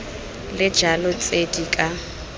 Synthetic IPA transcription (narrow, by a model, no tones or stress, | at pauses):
lɪd͡ʒalʊt͡sʼedikʼa